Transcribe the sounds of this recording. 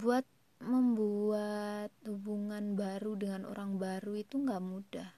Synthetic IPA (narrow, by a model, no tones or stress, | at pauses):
buat̪̚ | məmbuat̪̚hubuŋanbaɾudəŋanʔo̰ɾaŋbaɾuit̪uŋɡaʔmudah